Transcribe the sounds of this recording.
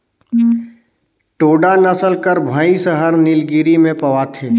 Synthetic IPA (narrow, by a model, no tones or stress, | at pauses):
ʈoːɖanəsəlkəɾbʱəisəɦəɾnɪlɡiːɾimẽpɐʋat̪ʰeː